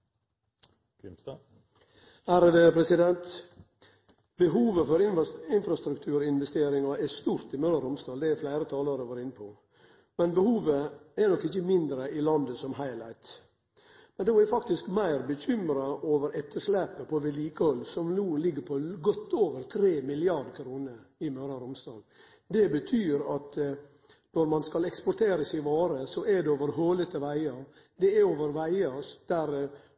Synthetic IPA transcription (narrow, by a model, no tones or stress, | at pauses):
æɾd̪epʰɾɛsɪd̪ɛnt̪ | bəɦuːʋəfɔɾɪɪnfɾɑst̪ɾʉkt̪ʰʉːɾɪnʋɛst̪eːɾɪŋɑʔɛst̪uːɾt̪ɪmøɾəɾʊmst̪ɑːld̪ɛɛɾflæɪɾət̪ʰɑːləɾəʋɑːɾɪnːəpʰɔ | mɛnbəhuːʋəɛnɔkːɪçːəmɪnd̪ɾəʔɪlɑnd̪əsɔmɦɑɪlæɪt̪ | mɛnd̪oːɛɾfɑkt̪ɪskmæɪɾbəçʏmɾɑʔoːʋəɾɛt̪ʰːəʂlæːpːəpʰɔʋɛliːkəɔlsɔmnuːlɪɡːəɾpʰɔɡɔt̪ʰːoːʋəɾt̪ʰɾeːmɪlɪɑɾɖkʰɾuːnəɾɪmøːɾɑɾʊmst̪ɑ̰ːn | d̪ɛbət̪ʰyːɾɑt̪ | nɔɾmɑnskɑlɛkspɔɾʈ̪ʰeːɾəsɪʋɑːɾəsɔʔɛd̪ɛoːʋəɾɦoːlət̪əʋæɪɑ | d̪ɛæoːʋəɾʋæɪɑd̪̥æɾ